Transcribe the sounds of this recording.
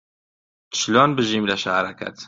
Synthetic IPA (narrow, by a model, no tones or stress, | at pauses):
t̪ʰʃlɔːnbɨʒimlaʃaɾakʰɐ̰t̪